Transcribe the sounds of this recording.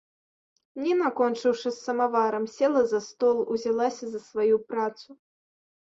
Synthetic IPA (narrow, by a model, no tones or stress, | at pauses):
nʲɛnakɔnt͡ʂɨwʂɨsːɐmavaɾɐmsʲɛlˠɐzɐst̪ɔlˠuzʲalˠasʲɐzɐsvajupɾat̪su